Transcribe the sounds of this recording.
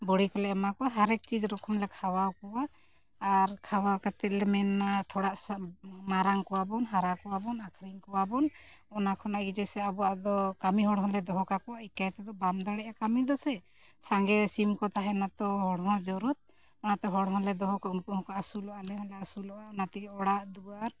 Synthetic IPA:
bɔɽikɔlɛamakɔɦaɾɛk̚t͡ʃid͡ʒɾɔkʰɔmlɛkʰawawkɔwaː | ɾkʰawawkat̪ɛt̪̚lɛmɛnːat̪ʰɔɽaʔmaɾaŋkɔwabɔnɦaɾakɔwabɔnakʰɾiŋkɔwabɔn | ɔnakʰɔnaʔɡid͡ʒɛsɛabɔaʔd̪ɔkamiɦɔɽɦɔlɛd̪ɔɦɔkakɔwaikajt̪ɛd̪ɔbamd̪aɽɛʔakamid̪ɔsɛ | saŋɡɛsimkɔt̪aɦɛnat̪ɔɦɔɽɦɔd͡ʒɔɾut̪̚ | ɔnat̪ɔɦɔɽɦɔlɛd̪ɔɦɔkɔunkuhɔ̃kaʔasulɔʔalɛɦɔlɛasulɔʔaɔnat̪ɛkɛɔɽaʔd̪uaɾ

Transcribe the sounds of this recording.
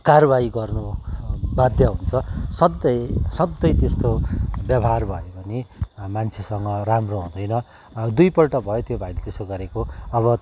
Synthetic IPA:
karbaiɡʌrnu | bad̪jʌɦunt͡sʰʌsʌd̪ːʌjsʌd̪ːʌjt̪est̪objʌbʱʌɦarbʱʌjobʌnimant͡sʰesʌŋɡʌramroɦũd̪ʌjnʌ | d̪ujpʌlʈʌbʱʌjot̪jobʱailet̪esoɡʌɾekoʌβʌ

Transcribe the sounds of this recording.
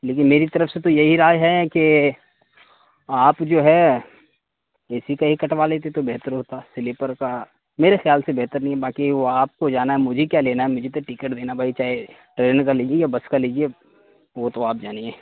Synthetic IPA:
leːkɪnmeːɾit̪ɐɾəfset̪ojɐɦiɾaːjɦɛke | aːpd͡ʒoːɦɛ | ɪsikaɦikɐʈʋaleːt̪et̪obɛɦt̪əɾɦoːt̪asɪlɪpəɾka | meːɾexɪjaːlsebɛɦt̪əɾnɐɦĩɦɛbaːkiʋoaːp̚kod͡ʒaːnaɦɛmʊd͡ʒʱekjaleːnaɦɛmʊd͡ʒʱet̪oʈikəʈd̪eːnabʱaːit͡ʃaːɦe | ʈɾeːnkaliːd͡ʒiejabɐskaliːd͡ʒie | ʋot̪oaːp̚d͡ʒaːnieː

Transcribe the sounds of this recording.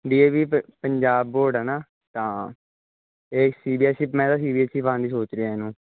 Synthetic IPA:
ɖiːeːʋiːpəɲd͡ʒaːbːoːɾɖɛːnaː | t̪ãː | eːsiːbiːɛsipmɛ̃ːt̪ãːsiːbiːɛːsipãːnd̪iːsoːt͡ʃɾɪaːeːnũː

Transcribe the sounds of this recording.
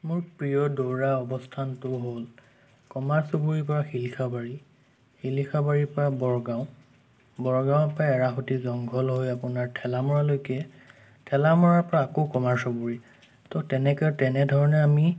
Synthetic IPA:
mʊɹpɹijɔdoɹaɔbɔstʰantʊɦol | kɔmaɹsobuɹipɔɹaxilixʰabaɹi | xilixʰabaɹipɔɹabɔɹɡaʊ̃ | bɔɹɡaw̃pajaɹaxutizɔŋɡʱɔlɦojapʊnaɹtʰɛlamɔɹalojkɛ | tʰɛlamɔɹaɹpɔɹaːkokɔmaɹsobuɹi | tɔtɛnɛkɛtɛnɛdʱɔɹɔnɛami

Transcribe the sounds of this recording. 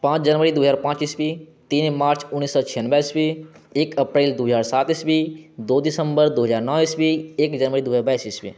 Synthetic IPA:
pãːt͡ʃd͡ʒənʋəɾid̪uːɦəzaːɾpãːt͡ʃiːsbit̪iːnmaːɾt͡ʃʊnːiːsːɔːt͡ʃʰijənbaːisbi | eːkəpɾeːld̪uːɦzaːɾsaːt̪iːsbid̪oːd̪ɪsəmbəɾd̪oːɦəzaːɾnɔ̃ːʋiːsbieːkd͡ʒɐnʋəɾid̪uːɦaːɾbaːisiːsbḭː

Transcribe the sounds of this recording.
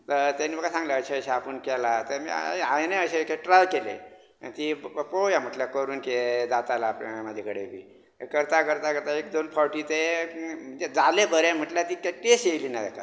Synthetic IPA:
t̪əɾt̪aniːbəkasãŋɡlaəɕeəɕaapəɳkɛlat̪emḭajneəɕekeʈɾalkelḛ | a̰t̪iːbəpojam̤əʈljakəɾuːnked̪at̪alaːpməd͡ʑʱekəɽebḭː | kəɾt̪akəɾt̪akəɾt̪aekd̪onfʰɔɾʈiːt̪em̤əd͡zed͡zalebəɾem̤əʈljat̪iːkeʈːieɕejliːnad̪ɛ̰ka̰

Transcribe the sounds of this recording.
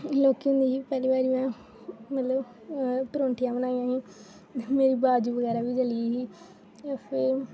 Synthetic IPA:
loːkiɦʊ̃nd̪iːɦiːpɛːɾiːbaːɾimɛ̃ː | mət̪ləb | pɾõːɳʈijãːbənãːĩjãːɦiː | meːɾiːbaːd͡ʒuːʋəɡɛːɾaːʋiːd͡ʒəliːɦiː | apʰɪ

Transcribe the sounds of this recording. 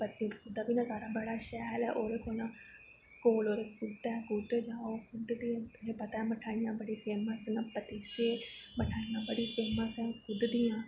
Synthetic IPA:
pət̪ːiɾkʊd̪aːbiːnãːsaːɾaːbəɽaːʃɛːlɛ̰ːʔoːɾeːkoːjãː | koːloːɾeːkʊd̪ɛːɡʊd̪d͡ʒaːoːkʊd̪d̪iãːt̪ʊɦẽːpət̪aːməʈʰaːijãːbəɽiːfʰeːməsnãpət̪iːseːməʈʰaːijãːbəɽiːpʰeːməskʰʊd̪d̪ɪjãː

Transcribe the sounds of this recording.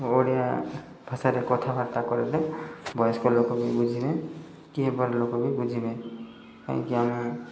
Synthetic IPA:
oɽija | bʱasaɾekɔt̪ʰabʱaɾt̪akɔɾed̪ebʱɔjskolokobibud͡zʱimẽ | kiɦĩbɔɾelokobibud͡ʒʱimẽ | ka̰ḭ̃kiami

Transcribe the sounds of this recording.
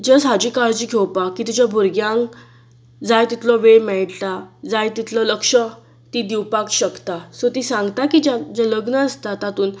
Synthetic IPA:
d͡zəsɦad͡ʑiːkaɭd͡ʑiːɡʰʱewpakːit̪ud͡ʑabʱuɾɡjãŋk | d͡zajt̪it̪lɔʋemɛɭʈt̪ad͡zajt̪it̪lɔləkʂə | t̪iːd̪iwpakɕəkt̪asot̪iːsãŋɡt̪akid͡ʑad͡zələɡnəəst̪at̪at̪uːn

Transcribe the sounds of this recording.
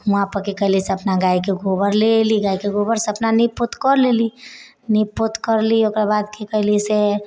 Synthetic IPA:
ũɦãpəɾkekəɦliseəpnaɡaikeɡʱobəɾleliɡaikeɡobəɾseəpnaniput̪kəɾleli | nipːut̪kəɾliokɾabad̪kekəɦlise

